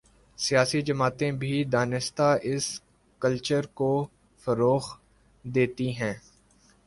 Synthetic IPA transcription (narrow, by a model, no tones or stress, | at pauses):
sijaːsid͡ʒɐmaːt̪ẽbʱid̪aːnɪst̪aʔɪs | kəlt͡ʃəɾko | fɐɾoːx | d̪eːt̪iɦɛ̃ː